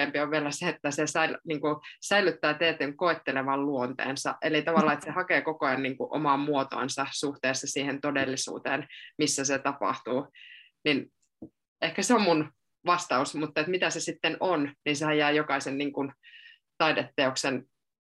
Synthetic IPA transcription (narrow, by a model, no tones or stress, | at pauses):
eːmpioʋʋiælæseet̪ːæsesæilniːŋkusæilyt̪ːæːt̪eːt̪ːeŋkoet̪ːeleʋɑlluont̪ḛːnsɑ̰ʔelit̪ɑʋɑlːˑɑːet̪sehɑkeːkokojɑnniːŋkuʔo̰mɑmmuot̪o̰insɑsuht̪eːsːɑsiːhent̪odelːisṵːt̪eːnmisːæset̪ɑpɑ̰ht̪uː | nin | ehkæseommun | ʋɑst̪ɑusmut̪ːɑet̪mit̪æsesit̪ːenonninsehæjæːjokɑisenniːŋkun | t̪ɑidet̪ːeoksen